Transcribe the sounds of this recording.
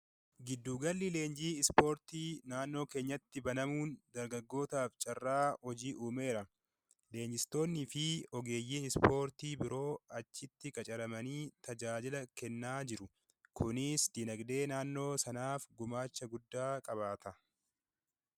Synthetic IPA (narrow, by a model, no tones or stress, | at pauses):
ɡɪd̪ːuːɡɐlːɪle̞ːnd͡ʒiːɪspo̞ːɾt̪iːnaːnːo̞ːke̞ːɲːɐt̪ːɪbɐnɐmuːnd̪ɐɾɡɐɡːo̞ːt̪aːft͡ʃʼɐrːaːhɔd͡ʒiːʔuːme̞ːɾɐ | le̞ːɲd͡ʒɪst̪o̞ːnːɪfɪɔɡe̞ːjːiːnɪspo̞ːɾt̪iːbɪɾʔo̞ːɐt͡ʃːɪt̪ːɪkʼɐt͡ʃʼɐɾɐmɐniːt̪ɐd͡ʒaːd͡ʒɪlɐkɛnːaːd͡ʒɪɾʊ | kʰʊnɪsd̪̥inɐɡd̪e̞ːnaːnːo̞ːsɐnaːfɡʊmaːt͡ʃːɐɡʊd̪ːaːkʼɐβaːt̪ʰɐ